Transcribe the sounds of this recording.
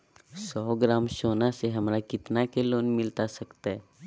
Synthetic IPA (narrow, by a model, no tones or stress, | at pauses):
sɔːɡɾaːmʃoːnaseɦɐmɾakɪt̪nakeloːnmɪlt̪asɐkt̪aɦɛ